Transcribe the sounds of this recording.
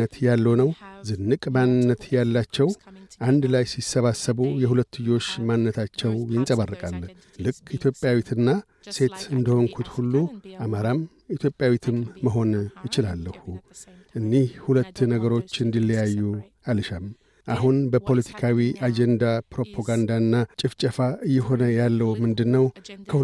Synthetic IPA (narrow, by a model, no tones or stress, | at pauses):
ət̪jalːonəwzɨnːɨkʼmannːət̪jalːat͡ʃːɛwʔand̪lajsisːəβasːəβujɛhulət̪ːɨjo̞ʃmannːət̪ʰat͡ʃːɛwjɪnsʼəβarːɨkʼal | lɨkʰːit̪ʰjo̞pʼjawit̪ʰɨnːa | se̞t̪ɨnd̪əhoŋkʰut̪hulːuʔamaɾam | it̪ʰjo̞pʼjawit̪ʰɨmːəɦo̞njɪt͡ʃɪlalːəhu | ʔɨnːihhulət̪ːnəɡəɾo̞t͡ʃːɨnd̪ilːəjajːu | alɨʃam | ʔaɦunbəpʰo̞lət̪ʰi̥kʰawiʔad͡ʒend̪apɾo̞pʰoɡand̪aɨnːat͡ʃʼɪft͡ʃʼəfaʔɨjːɛɦo̞nəjalːəwumɨnd̪ɨnːəwkʰə